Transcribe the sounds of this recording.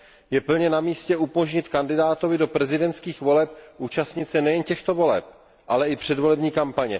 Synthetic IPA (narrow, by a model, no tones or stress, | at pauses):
jɛpl̩ɲɛnamiːscɛʔupoʒɲɪt̪kandɪdaːt̪o̞vɪdo̞pɾɛzɪdɛnt̪skiːxvo̞lɛp̚ʔuːt͡ʃast̪ɲɪt̪sɛnɛjɛncɛxt̪o̞vo̞lɛ̰p̚ | ʔalɛɪpr̝̥ɛdvo̞lɛbɲiːkampaɲɛ̰